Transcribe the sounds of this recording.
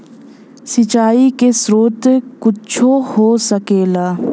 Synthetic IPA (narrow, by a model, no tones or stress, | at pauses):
sɪt͡ʃaːikesɾoːt̪kʊt͡ʃʰohosəkeːlaː